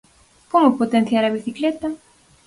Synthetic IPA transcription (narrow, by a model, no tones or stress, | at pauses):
pomʊpot̪ẽn̟θjaɾɐβiθiklet̪a